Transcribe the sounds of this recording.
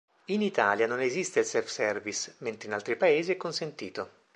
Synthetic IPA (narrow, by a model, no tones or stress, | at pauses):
init̪a̰ːljanonezist̪eilsɛlfsɛrvisment̪ɾeinalt̪ɾipaeːziɛkːonsent̪iːt̪o